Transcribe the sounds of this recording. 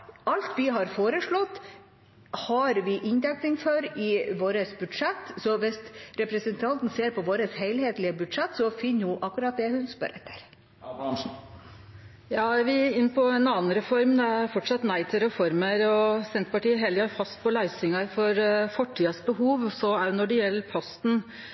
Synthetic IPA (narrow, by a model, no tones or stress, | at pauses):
ɑlt̪ʋɪɦɑɾfoːɾəʂɭɔt̪ː | hɑɾʋɪʔɪnd̪æk̚nɪŋfœɾɪʋoːɾəsbʉd̪ʂɛt̪ːsɔʋɪsɾɛpɾɛsənt̪ʰɑnt̪n̩seːɾpɔʋoːɾəsheɪlheːt̪lɪəbʉd̪ʂɛt̪ːsɔfɪnːjʊʔɑkːʉɾɑt̪̚d̪ɛhʉnspœ̰ɾɛ̰t̪ʰːə̥ɾ | jɑːʋɪɪnːpʰɔɛnɑːnɾɛfɔɾmd̪ɛæɾfɔʈʂɑt̪næɪt̪ʰɪlɾɛfɔɾməɾɔsɛnt̪əpɑʈiːəɦɛləɑɾfɑst̪̚pʰɔlɑɪsɪŋɑɾfɔɾfɔʈʰːiːɑsbəhuːʋsɔæjnɔɖɛjɛlːəɾpʰɔst̪n̩